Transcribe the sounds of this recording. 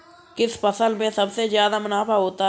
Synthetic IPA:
kɪspəsəlmẽsɐbsezjaːd̪amʊnaːfaɦoːt̪a

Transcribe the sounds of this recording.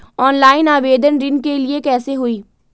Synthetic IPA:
ɔːnlaːɪnaːʋeːd̪ənɾɪ̃nkelɪekɛːseɦʊiː

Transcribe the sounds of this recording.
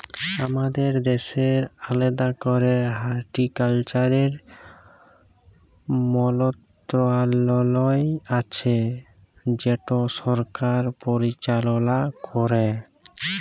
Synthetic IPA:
amad̪eɾd̪eʃeɾaled̪akɔɾeɦaɾʈikalt͡ɕaɾeɾ | mɔlɔt̪ɾoalɔlɔjat͡ɕʰe | d͡ʑeʈosɔɾkaɾpoɾit͡ɕalonakʰɔɾe

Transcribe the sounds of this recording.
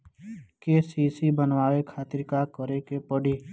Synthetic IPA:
keːsiːsibənwaːwekʰaːt̪ɪɾkakəɾekepəɽiː

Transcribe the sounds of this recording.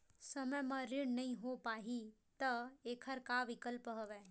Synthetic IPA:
səməjmãɾɪɽnɐĩɦopaːɦi | t̪ɐeːkʰəɾkaʋɪkəlpɦoʋɛː

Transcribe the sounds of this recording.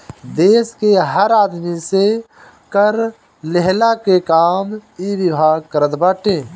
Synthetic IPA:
d̪eːskeɦəɾaːd̪mise | kəɾ | leɦlakekaːmiːwɪbʱaːɡ̚kəɾət̪baːʈẽː

